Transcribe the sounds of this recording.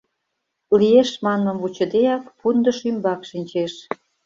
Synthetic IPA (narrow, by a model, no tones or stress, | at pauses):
lieʃmɑnːə̆mvut͡ɕə̆d̪ejɑkpund̪ə̆ʃymbɑkʃinʲt͡ɕeʃ